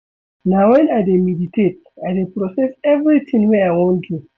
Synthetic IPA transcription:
nawɛ̃najdemiditʰet̚ajdepɾɔsɛsɛvɹit̪ʰĩŋweajwãntʰju

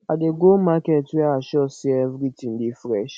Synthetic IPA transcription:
adeɡolmaketwaaʃɔsiɛfɾitin̩dɪfɾɛʃ

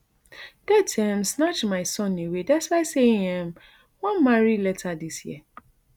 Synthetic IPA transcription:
d̥ɛtʰɛ̃msnat͡ʃmaɪsɔ̃newedaswaɪseɛ̃m | wãnmãɹilɛtʰadisjɛ̰

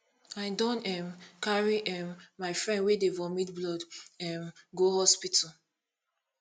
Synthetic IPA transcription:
aɪdɔ̃nɛmkaɹiʔɛmːaɪfɹɛ̃ndwedevɔmitblɔdɛmɡohɔspitʰɔ

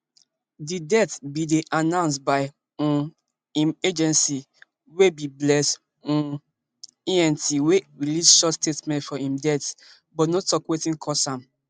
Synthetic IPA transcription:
didɛtbideʔanãʊ̃ns̬baɪ | ũ | ĩmed͡ʒɛ̃nsi | webiblɛs | ũ | iɛ̃ntiweɹilisʃɔstetmɛ̃ntfɔĩmdɛt | bɔtnɔtɔkwetĩnkʰɔsãm

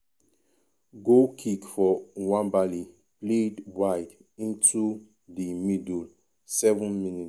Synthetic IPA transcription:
ɡokʰikfɔwãnbali | pledwaɪd | ĩntʰu | dimidl | sɛvɔ̃nminit

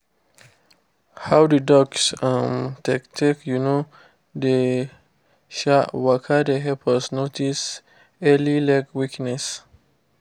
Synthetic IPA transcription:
hawdudɔksãmtɛktʰikjuno | de | ʃawakʰadeɦɛpʰəsnotʰis | ɛlilakwiknɛs

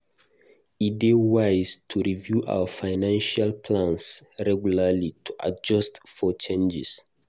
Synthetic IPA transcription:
idewaɪztʰuɹivjuʔa̰wəfaɪnãnʃalpʰlãnsɹɛɡjulalitʰuʔa̰d͡ʒɔstfɔt͡ʃẽnd͡ʒis

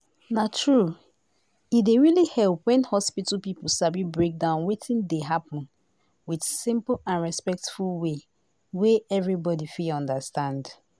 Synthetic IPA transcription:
natʰɹu | ideɹilihɛlˠpwɛ̃nhɔspitl̩pipl̩sabibɹek̚dãʊ̃nwetʰĩndeɦapə̃n | wid̥sĩmplãnɹɛspɛk̚tfulˠwe | weɛvɹibɔdifiɔ̃ndəstãnd

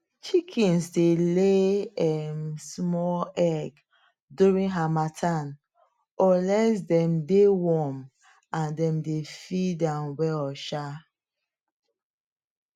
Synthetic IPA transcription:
t͡ʃikʰĩnsdeleɛmsmɔlɛɡ | duɹĩnɦamatʰan | ɔlɛsdɛ̃mdewɔm | ãndɛ̃mdefidãnwɛɔʃa

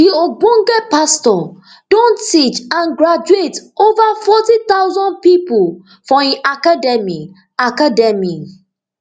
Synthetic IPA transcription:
dioɡ͡bõŋɡɛpastɔ | dõntit͡ʃãnɡɹad͡ʒuetovafɔtit̪aʊzɔ̃nd̚pipʊl | fɔiʔakadɛmi | akadɛmi

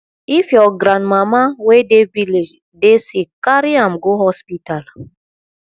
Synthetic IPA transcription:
ifjɔɡɾãndmamawedeviled͡ʒ | desikaɾiamɡoɦɔspital

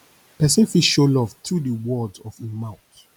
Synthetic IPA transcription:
pɛsĩfiʃolɔvt̪ɹudəwɔdzɔvimãʊ̃t

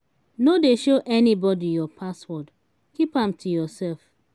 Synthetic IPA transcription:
nodeʃoʔɛnibɔdijɔpʰaswɔt | kipãmtʰujɔsɛlf

